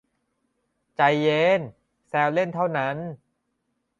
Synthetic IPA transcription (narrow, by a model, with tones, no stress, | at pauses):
t͡ɕa˧jːe˧˥n | sɛː˧wle˥˩nt̪ʰa˥˩wna˦˥n